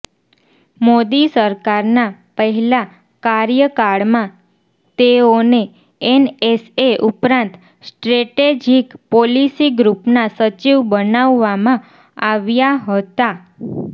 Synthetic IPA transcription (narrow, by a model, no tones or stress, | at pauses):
mod̪isəɾkaɾnapəɦɛla | kaɾjəkaɽmã | t̪eone | ɛneseʔupɾãnt̪ | sʈɾeʈed͡ʒikpɔlisiɡɾupnasət͡ʃiʋbənaʋːamã | aʋjaɦət̪a